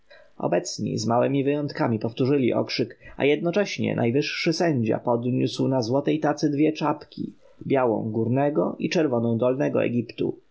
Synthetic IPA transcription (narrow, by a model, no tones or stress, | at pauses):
ɔ̰bɛt̪sɲḭzmawɛmʲivɘjɔnt̪kamʲipɔft̪uʐɘlʲiʔɔ̰kʂɘka̰jɛd̪̚nɔt͡ʂɛɕɲɛ̰najvɘʂːɘsɛɲd͡ʑa̰pɔd̪ɲuswnazwɔt̪ɛjt̪at̪sɘd̪vʲjɛt͡ʂapkʲʰḭ | bʲjawɔ̰̃w̃ɡuɾnɛɡɔʔit͡ʂɛɾvɔnɔ̃w̃d̪ɔlnɛɡɔ̰ɛ̰ɡʲipt̪ṵ